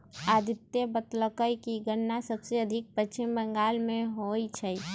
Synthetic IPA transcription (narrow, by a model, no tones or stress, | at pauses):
aːd̪ɪt̪jebət̪ləkəjkiɡəɾnasɐbseɐd̪ʱɪk̚pət͡ʃːt͡ʃɪmbə̃ŋɡaːlmẽɦoːit͡ʃʰɛi